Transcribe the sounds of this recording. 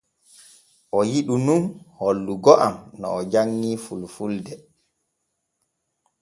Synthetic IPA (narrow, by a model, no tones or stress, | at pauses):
ʔɔjiɗununholːuɡɔʔamnɔ̰ɔd͡ʒaŋːiːfulfuldɛ